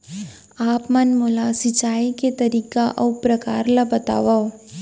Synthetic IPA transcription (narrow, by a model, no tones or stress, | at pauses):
aːpmɐnmʊlasɪt͡ʃaːiket̪ɐɾiːkaʔɐʊpɾɐkaːɾlabɐt̪a̰ːʋa